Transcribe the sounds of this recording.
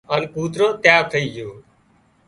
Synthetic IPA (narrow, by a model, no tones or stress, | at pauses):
ənkuːt̪ɾoːt̪jaːt̪ʰəiːd͡ʒoː